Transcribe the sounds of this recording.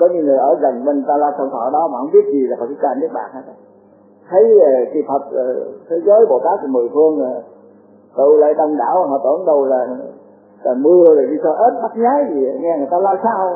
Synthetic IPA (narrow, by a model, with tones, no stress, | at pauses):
kɔ˨˦ɲɨ˧ŋ˨˩əjʔəː˧˩zə˨˩ŋɓe˧n˨˩t̪aː˧laː˧wsa˧wt̪ʰɔ̰˧˩ɗɔ˨˦maː˨˩hə˧wŋ͡mɓi˦˥ət̚zi˨˩la˨˩fə˨˩k̚sɨ˧˦˥kaː˧˩ni˦˥ək̚ɓa̰ː˧˨˩nhaː˨˦˥ | t̪ʰə˨˦jə˨˩ki˧˩fʰə˨˩t̚ə˨˩t̪ʰe˨˦zəː˨˦jɓo˧˩t̪aː˦˥k̚ːmɨ˨˩əjfʰɨ˧əŋaː˨˩ | t̪ɨ̰˧˩la̰ː˧˨jɗə˧wŋ͡mɗa̰ː˧˩wa˨˩nɔ̰˧˩t̪ə˧˩nɗə˧wlaː˨˩ | laː˨˩mɨ˧əzə˨˩ɗi˧sɔ˧˩ʔə˦˥t̚ɓaː˦˥t̚ɲaː˨˦jzi˨˩˨ŋɛ˧ŋ˨˩ət̪aː˧laː˧saː˧w